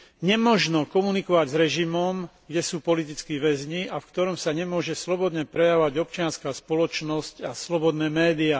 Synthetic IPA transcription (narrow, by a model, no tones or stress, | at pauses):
ɲɛmɔʒnɔkɔmunikɔʋaɟzɾɛʒimɔmɡɟɛsuːpɔlit̪it͡skiʋɛzɲiʔafkt̪ɔɾɔmsaɲɛmʊɔʒɛslɔbɔd̪ɲɛpɾɛjaʋaɟɔp̚t͡ʃɪanskaːspɔlɔt͡ʃnɔscaslɔbɔd̪nɛːmɛːd̪ia